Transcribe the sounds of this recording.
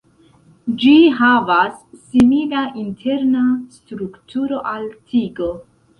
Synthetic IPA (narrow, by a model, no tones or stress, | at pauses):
d͡ʒiɦavasːimilaʔintʰe̞ɾnastɾuktʰuɾo̞ʔaltʰiɡo̞